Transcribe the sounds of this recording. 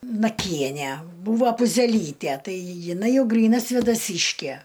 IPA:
nɐˈkʲiɛnʲæ ˈbuːʋoː pʊzʲɛˈlʲiːtʲæ ˈtɐɪ jɪˈnɐɪ ˈjɛʊ ˈɡrʲiːnɐ sʲʋʲeːdɐˈsʲiːʃʲkʲæ

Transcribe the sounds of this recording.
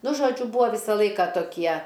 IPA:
ˈnʊ ʒoːˈd͡ʒʲʊ ˈbuːɐ ˈʋʲiːsɐ ˈlˠɐɪkɐ toːˈkʲiɛ

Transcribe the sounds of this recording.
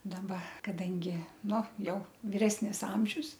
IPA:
dɐˈbɐ kɐˈdɐŋʲɡʲɪ ˈnʊ ˈjɛʊ ʋʲɪˈrʲæːsʲnʲɪs ˈɐmʲʒʲʊs

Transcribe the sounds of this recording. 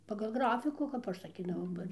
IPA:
pɐɡɐlˠ ˈɡrɑːfʲɪkuː kɐp ˈɐʃ sɐˈkʲiːdɐʋɐʊ ˈbɐ

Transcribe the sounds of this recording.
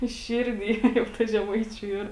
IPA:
ˈʃʲɪrʲˌdʲiː jɛʊ ˈtɐ ʒʲɛˈmɐɪt͡ʃʲʊ ˈiːr

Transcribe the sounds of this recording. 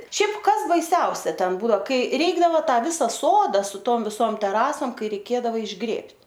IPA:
ˈʃʲɛɪp ˈkɐs bɐɪˈsʲɛʊsʲɛ ˈtʲɛn ˈbʊdoː ˈkɐɪ ˈrʲɛɪɡdɐʋoː ˈtɑː ˈʋʲɪsɐ ˈsoːdɐ sʊ ˈtoːm ʋʲɪˈsoːm tʲɛˈrɑːsoːm ˈkɐɪ rʲɛɪˈkʲeːdɐʋɐ ɪʒˈɡrʲeːpʲtʲ

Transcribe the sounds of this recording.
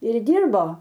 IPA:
ɪr ˈdʲiːrboː

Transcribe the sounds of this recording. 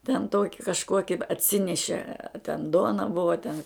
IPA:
tʲɛn ˈtoːkʲɪ kɐʃˈkoːkʲɪ ɐtʲˈsʲɪnʲɛʃʲɛ ɐ tʲɛn ˈduɔnɐ ˈbʊʋɐ ɐ tʲɛn

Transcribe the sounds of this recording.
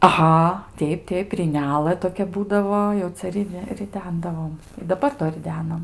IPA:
ɐˈɣɐ ˈtʲɛɪp ˈtʲɛɪp rʲiːˈnʲæːlˠɘ toːˈkʲɛ ˈbuːdɐʋoː jɛʊ ˈt͡sʲɛ rʲɪˈdʲɛ rʲɪˈdʲɛndɐʋoːm dɐˈbɐr doː rʲɪˈdʲæːnɐm

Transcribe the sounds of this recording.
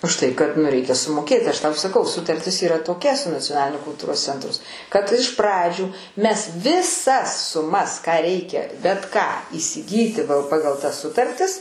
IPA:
ʊʃ ˈtɐɪ kɐt nʊ ˈrʲɛɪkʲɛ sʊmoːˈkʲeːtʲɪ ˈɐʃ ˈtɐʊ sɐˈkɐʊ sʊtɐrʲˈtʲɪs iːˈrɐ toːˈkʲɛ sʊ nɐt͡sʲoːˈnɑːlʲɪnʲʊ kʊlˠˈtuːroːs ˈt͡sʲɛntrʊs kɐt ɪʃ ˈprɑːd͡ʒʲuː ˈmʲɛs ʋʲɪˈsɐs sʊˈmɐs kɑː ˈrʲɛɪkʲɛ bʲɛt ˈkɑː iːsʲɪˈɡʲiːtʲɪ ˈpɑːɡɐlˠ tɐs ˈsʊtɐrʲtʲɪs

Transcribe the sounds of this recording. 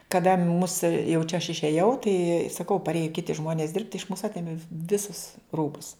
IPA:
kɐˈdɐ mʊs jɛʊ t͡ʃʲɛ ɐʃ ɪʃʲeːˈjɛʊ tɐɪ sɐˈkɐʊ pɐrʲˈeːjɛ ˈkʲɪtʲɪ ˈʒmoːnʲeːs dʲɪrpt ɪʃ muːs ˈɑːtʲeːmʲeː ˈʋʲɪsʊs ˈruːbʊs

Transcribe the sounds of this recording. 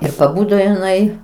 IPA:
ɪr pɐˈbʊdoː ɪˈnɐɪ

